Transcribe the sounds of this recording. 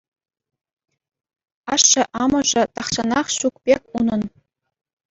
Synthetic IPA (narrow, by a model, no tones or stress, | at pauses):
ɑʂːɘ̆ʔɑmɤ̆ʐɘ̆t̪ɑχɕɑnɑχɕukpʲekʲunɤ̆n